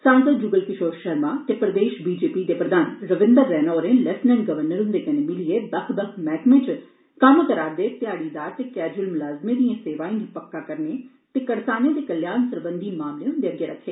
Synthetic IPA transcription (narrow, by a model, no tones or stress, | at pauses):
sə̃ŋt̪əd͡ʒuːɡəlkɪʃoːɾʃəɾmaːt̪eːpɾəd̪eːʃbiːd͡ʒeːpiːd̪eːpɾəd̪aːnɾəʋɪ̃nd̪əɾːɛːnoːɾẽːlɛsnɛ̃ɳɡəʋəɾnəɾʊ̃nd̪eːkəneːmɪlieːd̪əkʰd̪əkʰmɛːkmẽːt͡ʃ | kəmkəɾaːɾd̪eːt̪ɪaːɽiːd̪aːɾt̪eːkɛːd͡ʒuəlmʊlaːzmẽːd̪ijãseːʋaːĩːnipəkːaːkəɾneː | t̪eːkəɽsaːnjẽːd̪ekəljaːnsəɾbənd̪iːmaːmleːʊ̃ːd̪eːəɡjeːɾəkʰːeː